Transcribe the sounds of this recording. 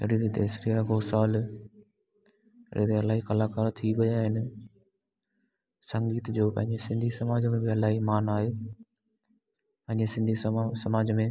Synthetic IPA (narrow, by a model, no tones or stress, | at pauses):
eɽid̪it̪eːsɾijaɡoːsaːl | ɾʔḛt̪eɐlaːɦikɐlaːkaːɾt̪ʰiʋɐjaɦɪn | sɐ̃ŋɡiːt̪d͡ʑoːpɐ̃ɦɪ̃ɲd͡ʑesɪ̃nd̪ʱisɐmaːd͡ʑmẽbɪɐlaːɦimaːnaːɦeː | pɐ̃ɦɪ̃ɲd͡ʑesɪ̃nd̪ʱissɐmaːd͡ʑmẽ